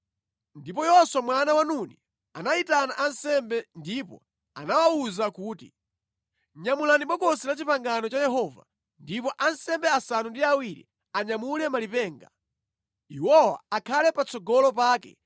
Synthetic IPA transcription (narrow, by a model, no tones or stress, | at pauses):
ndipɔjɔswamwanawanuni | anaitanaʔansɛmbɛndipɔ̰ | a̰nawauzakuːtḭ | ɲamulaniɓɔkɔsilat͡ʃipaŋɡanɔt͡ʃajɛɦɔva̰ | ndipɔʔansɛmbɛasanundiawiɾḭ | aɲamulɛmalipɛːŋɡa | iwɔwa̰akʰalɛpat͡sʰɔɡɔlɔp̬aːkɛ̰